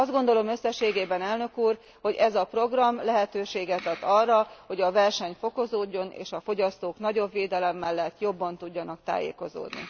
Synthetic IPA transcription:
ɒzd̪ɡo̞nd̪o̞lo̞mø̞sːɛʃːeːɡeːbɛnɛlnø̞kuːr | ho̞ɟɛzɒpro̞ɡrɒmlɛɦɛt̪øːʃeːɡɛt̪ɛt̪ːɒrːɒho̞ɟɒvɛrʃɛɲfo̞ko̞zoːɟːo̞nḛːʃɒfo̞ɟɒst̪oːknɒɟo̞bveːd̪ɛlɛmːɛlːɛt̪ːjo̞bːɒnt̪uɟːɒnɒkt̪a̰ːjḛːko̞zo̰ːd̪nḭ

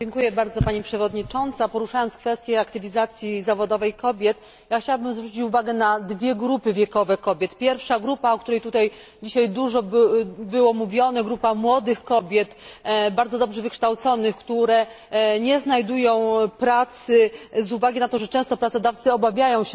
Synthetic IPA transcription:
d͡ʑɛŋkujɛbaɾd̪zɔpaɲipʂɛvɔd̪ɲit͡ʂɔnt̪sapɔɾuʂajɔnt̪skfɛst̪ʲjɛakt̪ɘvʲizat̪sʲjizavɔd̪ɔvɛjkɔbʲjɛt̪ | jaxt͡ɕawabɘmzvɾut͡ɕit͡ɕuvaɡɛnad̪vʲjɛɡɾupɘvʲjɛkɔvɛkɔbʲjɛt̪pʲjɛɾfʂaɡɾupaɔkt̪uɾɛjt̪ut̪aj | d͡ʑiɕajd̪uʐɔbbɘwɔmuvʲjɔnɛɡɾupamwɔd̪ɘxkɔbʲjɛt̪baɾd̪zɔd̪ɔbʐɛvɘkʂt̪awt̪sɔnɘxkt̪uɾɛ | ɲɛznajd̪ujɔ̃w̃pɾat̪sɘzuvaɡʲinat̪ɔʐɛt͡ʂɛ̃w̃st̪ɔpɾat̪sɔd̪aft̪sɘɔbavʲjajɔ̃w̃ɕ

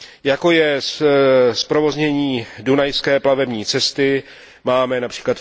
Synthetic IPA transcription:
jako̞jɛsspɾo̞vo̞zɲɛɲiːdunajskɛːplavɛbɲiːt͡sɛst̪ɪ | maːmɛnapr̥i̥ːklat̪

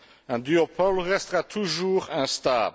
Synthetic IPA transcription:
ɛ̃d̪yopʰɔlʁɛst̪əʁat̪ʰuʒuːʁɛ̃st̪a̰ːb

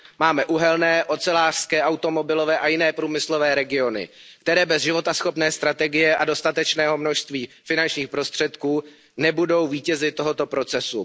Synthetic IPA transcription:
maːmɛʔuɦɛlnɛːʔo̞t͡sɛlaːr̥skɛːʔawt̪o̞mo̞bɪlo̞vɛːʔajɪnɛːpɾuːmɪslo̞vɛːɾɛɡɪo̞nɪ̰kt̪ɛɾɛːbɛzʒɪvo̞t̪asxo̞pnɛːst̪ɾat̪ɛɡɪjɛʔado̞st̪at̪ɛt͡ʃnɛːɦo̞mno̞ʃst̪viːfɪnant͡ʃɲiːxpɾo̞st̪r̥ɛt̪kuː | nɛbudo̞wviːcɛzɪt̪ːo̞ɦo̞t̪o̞pɾo̞t͡sɛsu

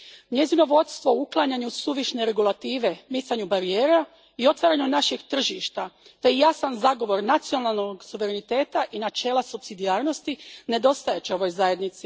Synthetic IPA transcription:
ɲe̞zino̞ʋo̞t̪st̪ʋo̞uklˠaɲaɲusuʋiʃne̞ɾe̞ɡulat̪iːʋe̞misaɲubaɾijeːɾa | io̞t̪ʋaɾaɲunaʃeɡt̪r̩ʒiːʃt̪at̪eijasanzaɡo̞ʋo̞ɾnat̪sio̞nalˠnoɡsuʋe̞ɾenit̪e̞ːt̪aʔinat͡ʃe̞ːlˠasupsid̪iaːɾno̞st̪ine̞d̪o̞st̪ajet͡ɕeo̞ʋo̞jzaje̞d̪nit̪si

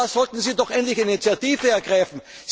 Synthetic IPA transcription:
z̥ɔltn̩ziːdɔχʔɛntlɪçinit͡sjatiːvəɛɐɡ̥ʁaɪfn̩ | z

